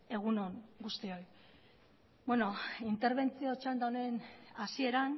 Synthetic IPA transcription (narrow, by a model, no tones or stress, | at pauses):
e̞ɣ̞unoŋɡust̪io̞j | bweno̞int̪e̞ɾβe̞nt͡sio̞t͡ʃand̪awnenasie̞ɾan